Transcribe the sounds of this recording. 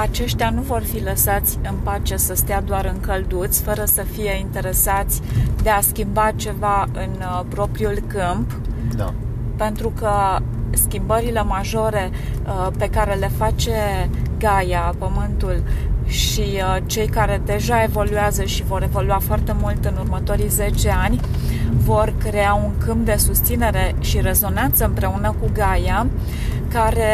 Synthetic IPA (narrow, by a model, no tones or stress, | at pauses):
at͡ʃe̞ʃt̪januvo̞rfiləsat̪sʲɨnpat͡ʃe̞səst̪ead̪oaɾɨŋkəld̪ut̪sʲfəɾəsəfije̞int̪e̞ɾe̞sat̪sʲd̪e̞askʲimbat͡ʃe̞vaɨn | pɾo̞pɾiulkɨmp | e̞nt̪ɾukə | skʲimbəɾile̞maʒo̞ɾe̞ | pe̞kaɾe̞le̞fat͡ʃe̞ɡajapəmɨnt̪ulʃi | t͡ʃe̞jkaɾe̞d̪e̞ʒae̞vo̞lueazəʃivo̞ɾe̞vo̞luafoart̪e̞mult̪ɨnurmət̪o̞ɾize̞t͡ʃe̞anʲvo̞rkɾe̞auŋkɨmp̚d̪e̞sust̪sine̞ɾe̞ʃire̞zo̞nant̪səɨmpɾe̞unəkuɡaja | kaɾe̞